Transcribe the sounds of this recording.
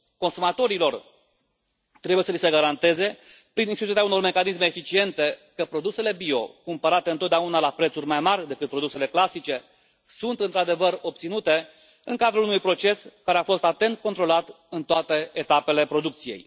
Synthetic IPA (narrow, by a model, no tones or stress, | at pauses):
ko̞nsumat̪o̞ɾilo̞r | t̪ɾe̞buje̞səlisəɡaɾant̪e̞ze̞ | pɾininst̪it̪ut̪ɾiauno̞rme̞kanis̬me̞ːfit͡ʃie̞nt̪e̞kəpɾo̞d̪use̞le̞bio̞̰kumpəɾat̪e̞ɨnot̪d̪eaunalapɾet̪surʲmajmarʲd̪e̞kɨt̪̚pɾo̞d̪use̞le̞klasit͡ʃe̞ | sunt̪ɨnt̪ɾad̪e̞vəɾo̞p̚t̪sinut̪e̞ | ɨŋkad̪ɾulunujpɾo̞t͡ʃe̞skaɾeafo̞st̪at̪e̞nt̪̚ko̞nt̪ɾo̞lat̪ | ɨnt̪oat̪e̞et̪ape̞le̞pɾo̞d̪uk̚t̪sije̞̰j